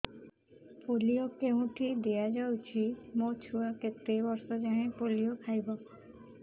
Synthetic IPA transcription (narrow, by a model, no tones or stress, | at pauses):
polijokeɦũʈʰid̪ejad͡ʒawt͡ʃʰimot͡ʃʰuaket̪ːebɔɾsɔd͡ʒaɦẽpolijokʰajbɔ